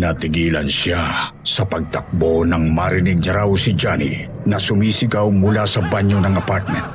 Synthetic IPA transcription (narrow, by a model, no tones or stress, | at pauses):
nɐt̪ɪɡiːlɐnʃa | sɐpɐɡ̚t̪ɐk̚bonɐŋmɐɾɪnɪɡ̚nɐɾawsɪd͡ʒanḭ | nɐsʊmiːsɪɡawmʊlasɐbaɲjonɐŋɐpaɾt̪̚mɛ̃nt̪̚